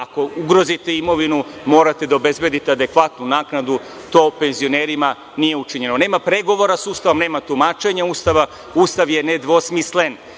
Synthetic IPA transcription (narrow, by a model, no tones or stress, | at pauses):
ako̞uɡɾo̞zit̪e̞imo̞ʋinumo̞ːɾat̪e̞d̪aobe̞zbe̞d̪it̪ead̪e̞kʋat̪nunaːknad̪u | t̪o̞ːpe̞nzio̞ne̞ːɾima | nije̞ut͡ʃiɲe̞none̞ːmapɾe̞ɡo̞ʋo̞ɾasuːst̪aʋo̞mne̞ːmat̪umaːt͡ʃe̞ɲauːst̪aʋa | uːst̪aʋje̞ne̞d̪ʋo̞smisle̞n